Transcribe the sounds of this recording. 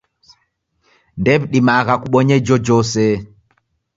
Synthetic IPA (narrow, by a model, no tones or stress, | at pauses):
ndɛbɗimaːɣakuɓɔɲɛd͡ʒɔd͡ʒɔsɛ